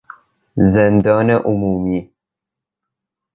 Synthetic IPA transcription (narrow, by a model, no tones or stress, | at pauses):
zend̪ɒːneʔʊmuːmiː